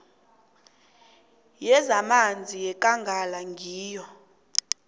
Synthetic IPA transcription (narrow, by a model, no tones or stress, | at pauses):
jɛzamand͡zʱijɛkʼaŋɡʱalaŋɡʱiːjɔ